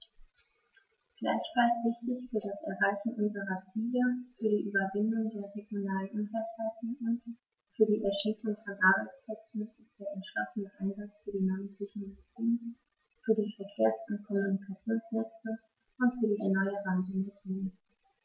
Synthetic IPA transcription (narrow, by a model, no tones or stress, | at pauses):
ɡ̥la̰ɪçfalsv̥ɪçtɪçfyːɐdasɛɐɦalçn̩ʔʊnzəʁɐt͡siːləfyːɐɾiːʔyːbɐvɪndʊŋdeːɐʁeɡjonaːlənʔʊnfɛɐthaltŋʔʊnt | fyːɐɾiːʔɛɐʃiːsʊŋfɛnvaːʁənspʰl̥ɛt͡sn̩ɪst̚d̥eːɐʔɛntʃlɔsənəʔaɪnzat͡sfyːɐdiːnantʰɛçnoloɡ̥iːn | fyːɐdiːfɛɐkʰeːɐsʊnt̚kʰɔmunikʰat͡sjoːnsnɛt͡sə | ʔʊntfyːɐɾiːʔɛɐnɔʏəʁantəndɛɐɡiːnə